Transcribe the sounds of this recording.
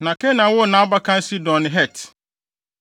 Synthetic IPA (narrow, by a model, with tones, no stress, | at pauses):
nã˨kʰɛ˦nã˨˦wʊ˦nã˨˦a˦ba˦kʰã˦n˦si˦dɔ̃˨nɪ̃˨ɦɛ˦˨t